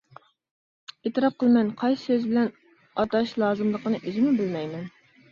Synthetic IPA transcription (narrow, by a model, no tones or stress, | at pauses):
et̪ɨɾɑp̚qəlˠmɛnqʰɑjssøzbɪlɛn | ɑt̪ɑʃlˠɑːzɨmlˠəqənɨʔizɪmubɪlmɛjmɛn